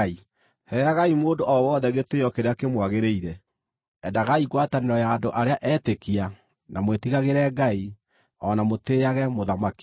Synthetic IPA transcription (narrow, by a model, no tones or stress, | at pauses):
i | hɛjaɣaimoːndoʔɔwɔːðɛɣetejɔkeɾeakemwaɣeɾeiɾɛ | ɛndaɣaiɣwataneɾɔjaːndoʔaɾeaʔɛtekia | namwetiɣaɣeɾɛːɡai | ɔnamoteːaɣɛmoðamaki̥